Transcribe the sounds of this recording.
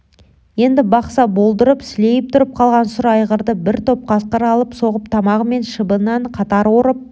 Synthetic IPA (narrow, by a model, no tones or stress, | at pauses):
je̞nd̪ɪbɑqsɑbo̞lˠd̪əɾəpsɪle̞jɪp̚t̪ʰʊɾəp̚qʰɑlˠʁɑnsʊɾɑjʁəɾd̪əbɪɾt̪ʰo̞p̚qʰɑsqəɾɑlˠəpso̞ʁəpt̪ʰɑmɑʁəme̞nʃəbənɑɴqʰɑt̪ɑɾwo̞ɾəp̚